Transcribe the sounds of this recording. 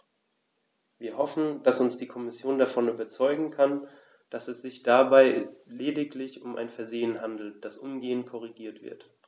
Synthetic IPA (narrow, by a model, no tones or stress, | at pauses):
viːɐhɔfn̩d̥asʊnsd̥iːkʰɔmɪsjoːndafɔnyːbɐt͡sɔʏɡŋ̩kʰan | d̥asɛsz̥ɪçd̥abaɪleːdɪklɪçʊmʔa̰ɪnfɛɐzeːənɦandl̩t̚d̥asʔʊmɡeːənkʰɔʁ̞iɡiːɐtv̥ɪ̰ɐt